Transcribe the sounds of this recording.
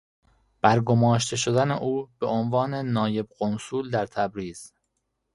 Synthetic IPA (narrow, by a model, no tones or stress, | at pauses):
b̥æɾɡomɒːʃt̪ʰe̞ʃod̪æneʔuːbe̞ʔonvɒːne̞nɒːje̞bɢonsuːld̪æɾt̪ʰæbɾiːz̥